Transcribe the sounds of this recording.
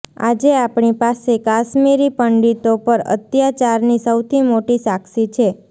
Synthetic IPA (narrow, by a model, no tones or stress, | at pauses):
a̰d͡ʒeapɳipasekaʃmiɾipəɳɖit̪opəɾə̰t̪jat͡ʃaɾnisəwt̪ʰimoʈisaksit͡ʃʰe